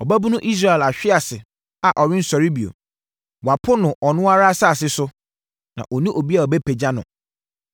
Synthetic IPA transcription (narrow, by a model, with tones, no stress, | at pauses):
ɔ˨bæ˦bu˦nʊ̃˦ʔi˦s̬ɾa˦˨ɛ˨la˨ɕᶣɪ˦a˨sɪ˨ | a˨ʔɔ˨ɾɪ̃˦n̩˦sɔ˨ɾi˦bi˨o̰˨ | wa˨pʰʊ˦nʊ̃˨ʔɔ˨nʊ̃˦a˦ɾa˦sa˦a˨s̬ɪ˦sʊ˦ | nã̰˨ʔɔ˨nĩ˦ʔo˨bi˦a˨ɔ˨be˦pʰe˨d͡ʑa˦nʊ̰̃˨